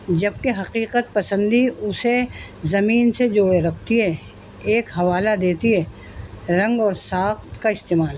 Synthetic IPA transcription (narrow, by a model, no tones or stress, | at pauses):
d͡ʒɐb̚keɦɐqiːqət̪̚pɐsə̃nd̪iʊsezɐmiːnsed͡ʒoːɽeɾɐkʰt̪iɦɛ | eːkɦɐʋaːlad̪eːt̪iɦɛː | ɾɐ̃ŋɡɔːɾsaːxt̪kaɪst̪eːmaːl